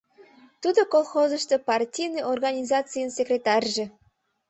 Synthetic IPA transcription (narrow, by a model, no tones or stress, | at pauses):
t̪ud̪okolˠxozə̆ʃt̪opɑrtʲijnɨʔorɣɑnʲizɑt͡sɨjənsʲekrʲet̪ɑrʲʒĕ